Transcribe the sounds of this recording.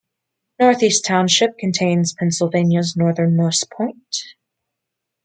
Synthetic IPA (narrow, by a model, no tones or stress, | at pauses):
nɔɹθistʰãʊ̃nʃɪp̚kʰɨ̃n̩tʰẽɪ̃nz̥pʰɛ̃nsl̩ˠvẽɪ̃njɨznɔɹðə̃˞nmoʊspʰɔ̃ɪ̃nt